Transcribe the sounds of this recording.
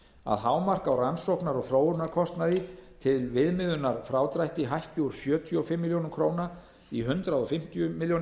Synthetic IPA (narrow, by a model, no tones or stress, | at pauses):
a̰ðɦaːwmar̥kawransowknaɾɔɣfɾoːwʏɾnaɾkʰɔst̪naðɪt̪ʰɪlvɪðmɪðʏnaɾ̥fɾaːwt̪ɾajht̪iɦajhcuɾ̥sjœːt̪ʰjʏɔfɪmːɪljownʏmkʰɾoːwna | iɦʏnt̪ɾaðɔfɪm̥t̪ʏjʏmɪljown